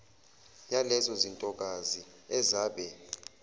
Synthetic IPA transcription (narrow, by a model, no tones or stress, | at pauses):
jalɛzɔzintʼɔk̬ʼazi | ɛzaːɓɛ